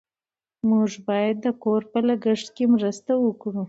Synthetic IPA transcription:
muʐbɑjad̪ːəkoɾpəlaɡəʂʈ̪kemɾəst̪awəkɽu

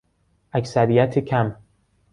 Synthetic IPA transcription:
ʔæksæɾijæt̪ʰekʰæm

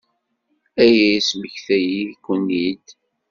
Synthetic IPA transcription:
æjæisməçθæjikʷːənːid̪

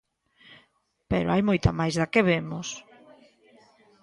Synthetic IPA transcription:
peɾoajmojt̪amajzðakeβemʊs

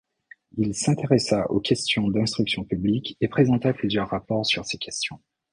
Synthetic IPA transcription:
ilsɛ̃t̪eʁɛsaʔo̰kʲɛst̪jɔ̃d̪ɛ̃st̪χyksjɔ̃pyblikepχezɑ̃t̪aplyzjœʁːapɔʁsyʁsekʲʰɛst̪jɔ̃

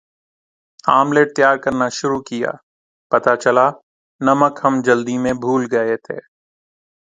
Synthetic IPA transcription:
aːmleːʈ̚t̪jaːɾkɐɾnaʃʊɾukija̰ː | pɐt̪at͡ʃɐla | nɐməkɦɐmd͡ʒɐld̪imẽbʱuːlɡɐet̪ʰḛː

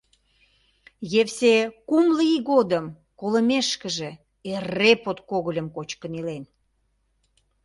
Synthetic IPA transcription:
jefsekumləiɣod̪əm | kolə̆meʃkə̆ʒe | erepot̪koɣəlʲəmkot͡ɕkənilen

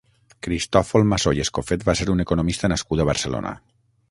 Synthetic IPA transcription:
kɾist̪ɔfolˠmasojeskofet̪̚baseɾunekonomist̪ənaskud̪əβəɾsəlo̰nʔə̰

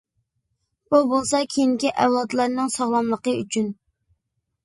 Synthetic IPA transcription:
b̥ubolˠsɑkʲʰejiŋkʲiʔæwlˠɑd̪lˠɑɾnɨŋsɑʁlˠɑmlˠəqəy̰t͡ʃʰyn

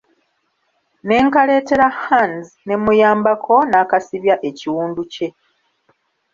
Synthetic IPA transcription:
ne̞ːŋkale̞ːte̞ɾahanz | ne̞mujaːmbakʰo̞naːkasiβjaʔe̞ciwuːnduce̞

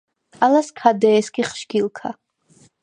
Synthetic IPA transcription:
alaskʰad̪ɛːskʼiχʃɡilˠkʰa

